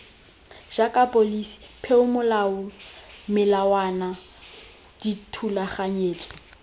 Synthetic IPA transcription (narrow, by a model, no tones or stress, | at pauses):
ʒ̥akʼapʼolisi̥pʰɛʊmʊlaʊmɪlawana | d̥itʰulaχaɲeːt͡sʼɔ̥